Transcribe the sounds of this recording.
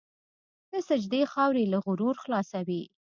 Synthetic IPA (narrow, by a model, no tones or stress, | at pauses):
d̪̥əsɪd͡ʒd̪exɑwɾelaɣʊɾuɾxlɑsawi